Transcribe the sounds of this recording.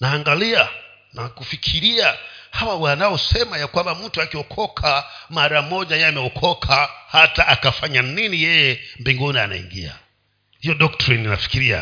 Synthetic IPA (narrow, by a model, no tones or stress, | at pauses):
naːŋɡalia | nakufikʰiɾiahawawanaɔsɛmajakwambam̩tuakiɔkʰɔkʰamaɾamɔʄajɛamɛɔkʰɔkʰahataʔakafaɲaninijɛjɛmbiŋɡunia̰na̰ḭŋɡḭa̰ | hijɔɗɔktɾinina̰fi̥kiɾia̰